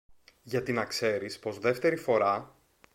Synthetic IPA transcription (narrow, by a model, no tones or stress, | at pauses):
ʝɐt̪inɐkse̞ɾispo̞zðe̞ft̪e̞ɾifo̞ɾɐ